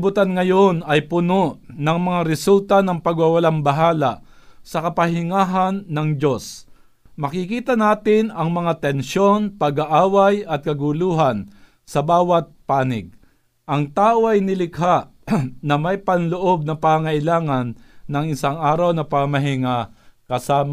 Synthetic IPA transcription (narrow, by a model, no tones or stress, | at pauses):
bʊt̪anŋɐjonɐjpʊnoʔnɐŋmɐŋaɾɛsult̪anɐŋpɐɡwawɐlambɐɦaːlaʔsɐkɐpɐɦɪŋaːɦanːɐŋd͡ʒo̞s | mɐkɪkiːt̪ɐnaːt̪ɪnɐŋmɐŋat̪ɛnʃo̞npɐɡaʔaːwajɐt̪̚kɐɡʊluːɦan | sɐbaːwɐt̪̚paːnɪɡ̚ | ʔɐŋt̪aːʔoʔɐjnɪlɪkhaʔ | nɐmɐjpɐnloʔo̞b̚nɐpaaŋɐʔɪlaːŋanːɐŋɪsaŋaːɾawnɐpamɐɦɪŋakɐsaːm